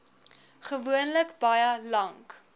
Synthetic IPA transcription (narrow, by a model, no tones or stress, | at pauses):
χəvuənləkbɐjəlɐŋk